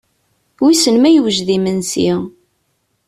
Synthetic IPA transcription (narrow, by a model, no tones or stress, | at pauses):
wisənmæjəwʒðimənsi